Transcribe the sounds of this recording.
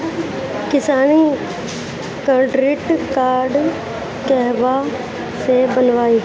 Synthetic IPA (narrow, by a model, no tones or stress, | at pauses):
kɪsaːniː | kəɾɖɾɪʈkaːɾɖ | kɛɦʋaː | sebənʋaːiː